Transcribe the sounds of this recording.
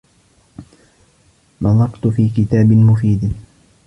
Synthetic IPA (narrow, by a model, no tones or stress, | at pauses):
mɑðˤɑqt̪fiːkɪt̪aːbɪmʊfiːd̪